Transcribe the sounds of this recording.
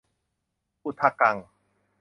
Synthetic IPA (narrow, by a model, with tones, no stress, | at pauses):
ʔu˧t̪ʰa˧ka˧ŋ